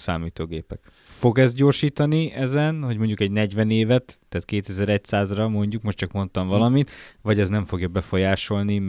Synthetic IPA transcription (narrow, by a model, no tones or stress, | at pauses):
saːmiːt̪oːɡeːpɛk | fo̞ɡɛzd̪̚ɟoːrʃiːt̪ɒniɛzɛnho̞ɟmo̞ɲɟukɛɟnɛɟʋɛneːvɛt̪ːɛːt̪keːt̪ɛzɛɾɛc̚saːzrɒmo̞ɲɟukmo̞ʃtt͡ʃɒkmo̞nt̪ɒɱvɒlɒmit̪vɒɟɛznɛɱfo̞ɡjɒbɛfo̞jaːʃo̞lnim